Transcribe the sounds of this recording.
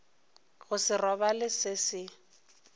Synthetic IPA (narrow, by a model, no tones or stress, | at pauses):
ɣʊsɪrɔbalɪsɪsɪ